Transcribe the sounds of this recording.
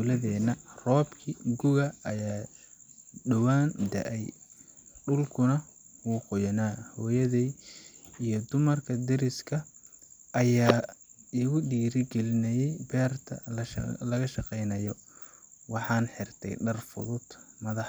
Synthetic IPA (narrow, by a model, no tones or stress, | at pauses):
d̪ulɐðɛːnɐrɔːbkʰiɡʊɣɐɐjaː | ɖɐwaːnd̪ɐ̰ʔɛj | ɖʊlkʰʊnɐ | wʊːqɔjɐnaːhɔːjɐði | ijɞd̪ʊmɐrkʰɐd̪ɛɾɪskʰɐʔɐjaːɪɣʊɖiːɾɪɡɛlɪnɐjɛjbɛːrt̪ʰɐ̰lɐɣɐʃɑqɛjnɐjɔ | wɑħɑːnħɪrt̪ʰɛ̰jɖɐrfʊ̰ðʊd̪̥mɐðɑħ